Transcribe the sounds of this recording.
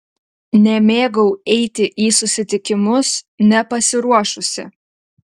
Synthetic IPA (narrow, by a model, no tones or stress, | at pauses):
nʲɛmʲeːɡɐʊɛɪt̪ʲɪʔiːsʊsʲɪt̪ʲɪkʲɪmʊsnʲɛpɐsʲɪɾuɔʃʊsʲɪ̰